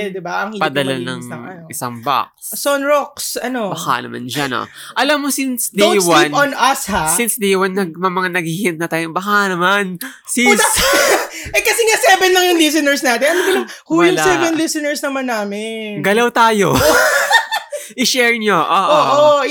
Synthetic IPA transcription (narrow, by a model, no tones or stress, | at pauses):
d̪ɪbaʔɐŋipɐd̪ɐlanɐ̰ŋɐɪsaŋba̰k̚ssonɹok̚sɐnobɐka̰ʔnɐ̰ma̰nd͡ʒano̰ | ʔɐlamːosinsd̪ewanɐnɐshasinsd̪ɛjwɐnːɐɡ̚mɐmɐŋanɐɡ̚hihiɪnt̪̚nɐt̪aːjobɐkaʔnɐman | si | ʔɛkɐsɛŋasɛbɛnːɐŋjʊŋlis̬ɪnɛɹsnaːt̪ɛnɐnɡɐlɐmhuːjʊŋsɛvɛnlisɪnɛɹsnɐmɐnːaːmɪnɡɐlawt̪aːjo | ʔɪʃɛɹɲoʔoːʔoʔo